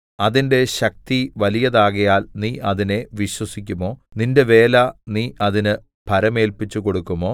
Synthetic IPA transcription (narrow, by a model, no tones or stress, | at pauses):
ɐðinde̞ɕɐk̚t̪iʋɐlijɐðaːɣɐjaːlniːʔɐðine̞ʋiɕwɐsikʲːumo̞ːninde̞ʋe̞ːlɐniːʔɐðinɨ | bʱɐɾɐme̞ːlpit͡ɕːuko̞ɽukːumo̞ː